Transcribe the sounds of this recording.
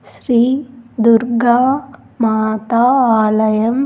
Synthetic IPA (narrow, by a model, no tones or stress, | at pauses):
ʃɾiːd̪uɾɡa | mat̪aaːlɐjɐm